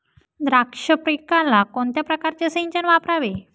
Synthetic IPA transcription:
d̪ɾakʂəpɾikalakont̪japɾəkaɾt͡ɕesiɲt͡ɕənʋapɾaʋe

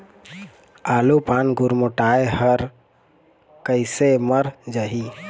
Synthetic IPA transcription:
aːlupaːnɡʊɾmoʈaːehəɾ | kəɪseməɾd͡ʒaɦi

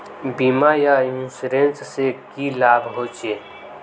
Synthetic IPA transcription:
biːmajajũːsɾẽnssekilaːbɦot͡ʃeː

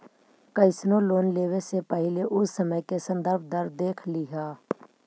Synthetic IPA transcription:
kəɪsnoloːnleːʋesepəɦɪleʔʊsːəməjkesə̃nd̪əɾb̚ʱd̪əɾd̪eːkʰlɪɦaː

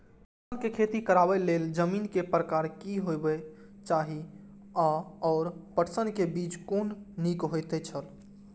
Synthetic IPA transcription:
ənkekʰet̪ikəɾabɛleld͡ʒəminkepɾəkaːɾkiɦojbet͡ʃaɦi | aɔːɾpəʈsənkebiːt͡ʃkonːikɦojt̪ɛt͡ʃʰəl

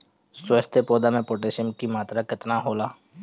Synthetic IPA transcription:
səst̪ʰepoːd̪amẽpoːʈeːʃənkimaːt̪ɾakɪt̪naɦoːlaː

